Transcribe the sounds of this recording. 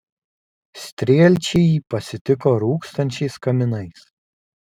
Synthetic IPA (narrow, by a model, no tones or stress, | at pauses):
sʲt̪ʲɾʲiɛlʲt͡ʃʲɛjiːpɐsʲɪt̪ʲɪkoːɾuːkst̪ɐnʲt͡ʃʲɛɪskɐmʲɪnɐɪs